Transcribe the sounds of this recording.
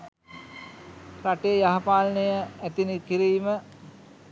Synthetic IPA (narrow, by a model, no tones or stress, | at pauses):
ɾaʈejəjaɦapaːlnejəæt̪inikiɾiːmə